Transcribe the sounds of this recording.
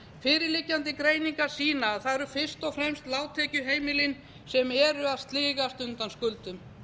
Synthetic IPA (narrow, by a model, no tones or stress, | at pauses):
fɪːɾɪɾlɪcːant̪ɪkɾeːjniŋkaɾsiːnaθaðɛɾʏfɪr̥st̪ɔfɾɛmst̪laːwt̪ʰɛcʏɦeːjmɪlɪn | sɛmɛɾʏaðst̪liːɣast̪ʏnt̪anskʏlt̪ʏm